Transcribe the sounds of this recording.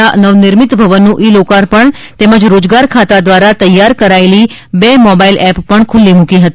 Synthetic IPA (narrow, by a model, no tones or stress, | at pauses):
anəʋnɪɾmɪt̪bʱəʋənːũʔilokaɾpəɳ | t̪ɛməd͡ʒɾod͡ʒɡaɾkʰat̪ad̪ʋaɾat̪əjːaɾkəɾaeli | bemɔbailʔɛpːəɳkʰʊlːimũkiɦət̪i